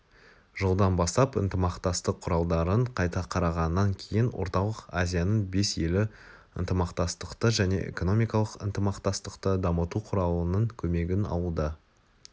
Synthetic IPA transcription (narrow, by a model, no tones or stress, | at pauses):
ʒ̥olˠd̪ɑnbɑst̪ɑpə̰nt̪əmɑqt̪ɑst̪əqʰːʊɾɑlˠd̪ɑɾəɴqʰɑjt̪ɑqʰɑɾɑʁɑnːɑŋkʲʰe̞jɪnwo̞̰ɾt̪ɑlˠəqazʲijanəɴbe̞sje̞lɪ | ənt̪əmɑqt̪ɑst̪əqt̪əʒæne̞̰ʔḛko̞no̞mʲijkɑlˠəqə̰nt̪əmɑqt̪ɑst̪əqt̪əd̪ɑmət̪uqʰʊɾɑlˠənəɴkʲʰɵme̞ɡʲɪnɑ̰lˠud̪ə